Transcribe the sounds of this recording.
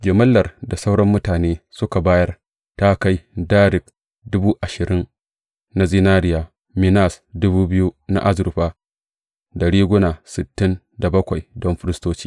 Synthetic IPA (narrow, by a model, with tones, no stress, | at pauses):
ɡʲe˨mɐ˦lːɐ˨rda˨sa˦wɽɐ˦mːʊ˦taː˨neː˦sʊ˦ka˨baː˦jɐ˦r | ta˦ka˦jdaː˦ɾɪ˨k̚ | dʊ˦buː˦ʔa˨ʃɪ˨ɾɪ˦n | na˦zɪ˦naː˦ɾɪ˦jaː˨ | mɪ˦na˦˨sdʊ˦buː˦bɪ˦ju˦na̰˦ʔa˦zɾʊ˨ɸa˦ | dɐ˨ɽiː˦ɡʷʊ˦naː˨sɪ˨tːɪ˦n | da˨bɐ˦kʷa˨jdɔ˦mɸɪ˦ɾɪ˦stoː˦t͡ʃi̥ː˦